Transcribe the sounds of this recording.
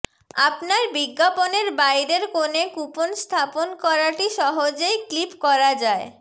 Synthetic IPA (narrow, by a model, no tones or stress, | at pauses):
a̰pnaɾbiɡːaponeɾbajɾeɾkonekuponst̪ʰaponkɔɾaʈiʃɔɦod͡ʑejklipkɔɾad͡ʑae